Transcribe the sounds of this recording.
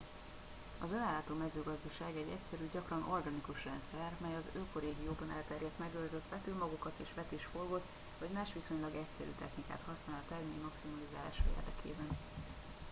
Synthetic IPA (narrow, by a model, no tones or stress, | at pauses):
ɒzønaːlːaːt̪oːmɛzøːɡɒzd̪ɒʃaːɡɛɟɛ̰csɛɾyːɟɒkrɒnʔo̞rɡanikuʃrɛnt̪sɛrmɛjɒzøːkoɾeːɡijoːbɒnɛ̰lt̪ɛrjɛt̪mɛɡørzøt̪ʋɛt̪ylmɒɡukɒt̪eːʃʋɛt̪eːʃforɡot̪ | vɒɟmaːʃʋiso̞ɲlɒɡɛcsɛɾy̰ːt̪ɛxnika̰ːt̪hɒsnaːlɒt̪ɛɡmemɒksimɒlizaːla̰ːʃɒḛrd̪ɛkʰḛːbɛn